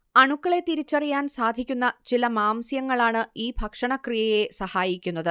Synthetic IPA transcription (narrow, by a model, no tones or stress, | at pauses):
ɐɳukːɐɭe̞t̪iɾit͡ɕːɐrijaːnsaːd̪ʱikʲːunːɐt͡ɕilɐmaːmsjɐŋːɐɭaːɳɨiːbʱɐkʂɐɳɐkrijɐje̞sɐhaːjikʲːunːɐðɨ